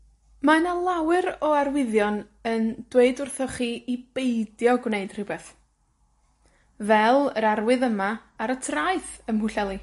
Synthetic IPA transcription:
manalˠawɨɾɔarwɪðjɔn | ənd̥weɨdʊrθɔχiʔib̥ejdjɔɡwneɨd̥r̥ɪbɛθ | vɛlˠəɾarwɨðəmaːɾətʰraɨθəmhʊɬɛlˠi

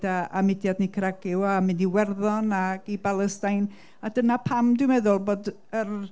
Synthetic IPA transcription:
daa̰mɪdjadnikʰɾaɡɪwamɪndiwɛrðɔnaɡibalˠəstajn | adənapʰamdwɪmɛðʊlˠboːd | ər

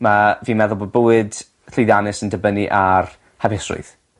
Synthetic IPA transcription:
maviːmɛðʊlˠbod̚bʊwɨd̥ | ɬejðanɨsəndəbəniʔar | havɛsrʊ̰ɨð

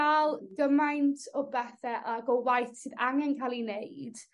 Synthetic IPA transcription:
alˠɡəmajntʰɔbɛθɛʔaɡɔwajθsɨːðaŋɛnkʰalˠineɨd̥

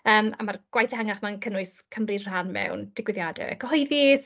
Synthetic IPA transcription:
əːma̰marɡ̥wajθaŋaχmankʰənʊɨskʰəmrir̥anmɛ̰wnd̥ɪɡwɪðjadɛ̰kəhɔɨðis

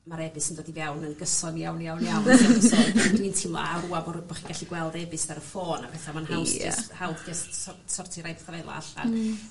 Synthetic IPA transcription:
maɾɛbɨsəndoːdivɛwnənɡəsɔnijawnjawnjawnaasɛdwintʰɪmlˠɔ̰aɾuabɔbaχiɡ̥aɬiɡwɛlˠdɛbɨsvaɾəfoːnapʰɛθamanhawsɪ̰shawbdɛsɔsɔrtʰiɾajdθrejlˠɔ̰a̰ɬa̰n

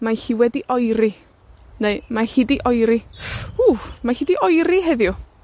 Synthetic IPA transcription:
mahiːwɛdiʔɔjɾi | neɨmahiːdiʔɔjɾiuːmahiːdiʔɔjɾiɦɛðjʊ

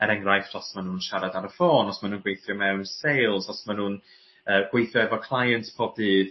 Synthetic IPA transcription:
əɾɛŋrajftʰɔsmanuːnʃaɾadaɾəfoːnɔsmanuːnɡwejθjɔmɛwnsejlˠsɔsmanuːn | əːɡ̥wejθjɔɛvɔkʰlˠajəntpʰɔbdɨːð̥

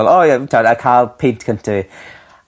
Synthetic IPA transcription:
lˠɔjɛtʰadakʰaːlˠpʰɪntʰkʰəntʰai

